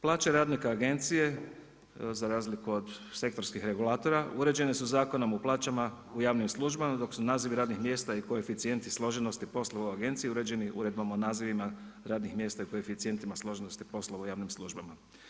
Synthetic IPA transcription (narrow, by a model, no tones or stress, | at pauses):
plˠaːt͡ʃeɾaːd̪nikaːɡe̞nt̪sije̞ | zaɾaːzlikuod̪se̞kt̪o̞ɾskixɾe̞ɡulˠaːt̪o̞ɾauɾe̞d͡ʑe̞ne̞suzaːkonomuplˠaːt͡ʃama | ujaːʋnimslˠuʒbamad̪o̞ksunaːziʋiɾaːd̪nixmje̞ːst̪aikoefit̪sije̞nt̪islˠo̞ʒeno̞st̪ipo̞slˠoʋauaɡe̞nt̪sijiuɾe̞d͡ʑe̞niʔṵɾe̞d̪̚bamonaːziʋimaɾaːd̪nixmje̞st̪aiukoefit̪sije̞nt̪imaslˠo̞ʒenost̪ipo̞slˠoʋaujaːʋnimslˠuʒbama